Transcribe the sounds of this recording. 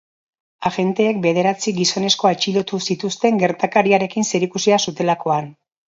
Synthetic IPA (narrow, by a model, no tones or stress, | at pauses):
aɣe̞nt̪e̞ːk̚be̞ð̞e̞ɾat͡siɡiso̞ne̞sko̞et͡ʃilo̞t̪usit̪ust̪e̞ŋɡe̞ɾt̪akaɾiaɾe̞kinse̞ɾikusiasut̪e̞lako̞an